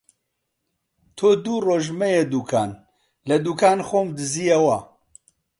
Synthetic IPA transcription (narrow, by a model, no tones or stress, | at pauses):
t̪ʰoːd̪uːroːʒmɛjed̪uːkʰaːn | lɐd̪uːkʰaːnxoːmd̪ɨzijɐwɐ